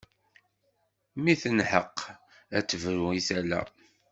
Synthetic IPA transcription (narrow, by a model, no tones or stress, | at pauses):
miθənħəqː | æt͡sːəvɾuisælæ̰